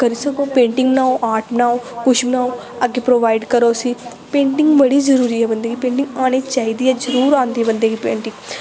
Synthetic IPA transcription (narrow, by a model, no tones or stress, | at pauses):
kəɾiːsəkoːpẽːɳʈɪŋɡnaːõʔaːʈnaːõːkʊʃbnãːõ | əɡeːpɾoːʋaːiɖkəɾoːsiː | pẽːɳʈɪŋɡbəɽiːzəɾuːɾiːɛːbənd̪eːɡiːpẽːɳʈɪ̃ŋɡaːñeːt͡ʃaːiːd̪iːɛːzəɾuːɾãːnd̪iːɛbənd̪eːɡiːpẽːɳʈɪ̃ŋ